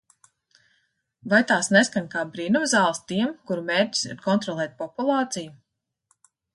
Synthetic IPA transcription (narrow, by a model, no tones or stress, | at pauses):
vajt̪aːsneskanʲkaːbɾiːnumzaːlˠst̪iɛmkuɾumeːɾʲci̥sḭɾkɔnt̪ɾɔlˠɛːt̪̚ʲpɔpulˠɑːt̪siju